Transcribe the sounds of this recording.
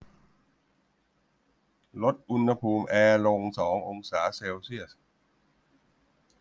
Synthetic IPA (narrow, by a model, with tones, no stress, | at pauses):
lo˦˥t̪̚ʔu˧nha˧pʰuː˧mʔɛː˧lo˧ŋsɔː˩˦ŋʔo˧ŋsaː˩˦seː˧wsi˥˩əs